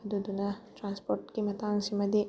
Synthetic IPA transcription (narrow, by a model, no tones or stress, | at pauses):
ɐd̪ud̪unaʈɾãnspoɾʈkimɐt̪aŋsimɐd̪i